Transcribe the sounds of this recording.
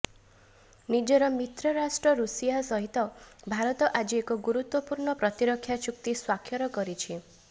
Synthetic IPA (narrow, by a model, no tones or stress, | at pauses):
nid͡ʒɔɾɔmit̪ɾɔɾasʈɾɔɾusijasɔɦit̪ɔbʱaɾɔt̪ɔʔad͡ʒiekɔɡuɾut̪wɔpuɾɳɔpɾɔt̪iɾɔkʰːjat͡ʃuk̚t̪iswakʰːjɔɾɔkɔɾit͡ʃʰi